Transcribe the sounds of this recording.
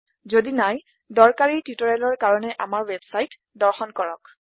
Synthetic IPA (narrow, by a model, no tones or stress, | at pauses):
zodinaj | dɔɹkaɹitutɔɹɛlɔɹkaɹɔnɛʔamaɹwebsajt | dɔɹxɔnkɔɹɔ̰k